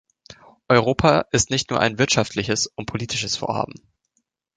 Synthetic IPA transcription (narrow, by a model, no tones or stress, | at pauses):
ʔɔʏʁ̞oːpʰaʔɪstnɪçtnuːɐʔa̰ɪnvɪɐtʃaftʰlɪçəsʊnt̚pʰoliːtʰɪʃəsfo̰ːɐha̰ːbm̩